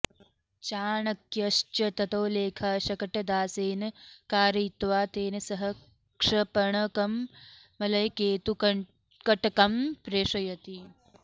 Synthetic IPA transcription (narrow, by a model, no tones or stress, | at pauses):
t͡ʃaːɳɐkjɐʃt͡ʃɐt̪ɐt̪ɐwleːkʰaːʃɐkɐʈɐd̪aːseːnɐkaːɾit̪ʋaːt̪eːnɐsɐɦɐ | kʂɐpɐɳɐkɐmː | ɐlɐjkeːt̪u | kɐʈɐkɐmpɾeːʂɐjɐt̪i